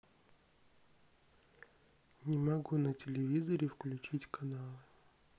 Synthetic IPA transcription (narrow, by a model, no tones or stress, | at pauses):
nʲɪmɐɡunətʲɪlʲɪvʲizəɾʲɪfklʲʉt͡ɕitʲkɐnalˠɨ